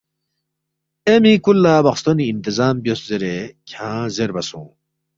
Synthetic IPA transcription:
emikulːaːbɐχst̪oniːnt̪izaːmbjoszeɾekʰãːzeɾbɐsṵ̃ː

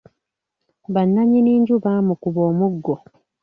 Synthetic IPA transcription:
βanːaɲiniːɲɟuβamukuβoːmuɡːo

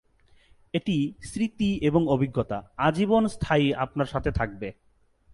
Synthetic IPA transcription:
eʈisɾit̪ieboŋobʱiɡːot̪aad͡ʑibonst̪ʰajapnaɾʃat̪ʰet̪ʰak̚be

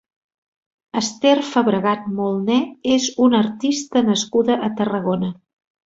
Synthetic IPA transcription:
əst̪erfəβɾəɣat̪̚molˠnɛezunəɾt̪ist̪ənəskuðəʔət̪ərəɣ̞onə

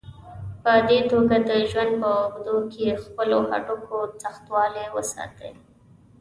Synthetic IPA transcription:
pəd̪et̪oɡad̪əʒwand̪̚pəʊɡd̪okʰexpəloha̰ʈʊkʰot͡saxt̪wɑlewəsɑ̰t̪ə̰

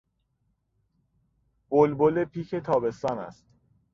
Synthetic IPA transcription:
b̥olbolepʰiːcʰe̞t̪ʰɒːbe̞st̪ɒːnæ̰st̪

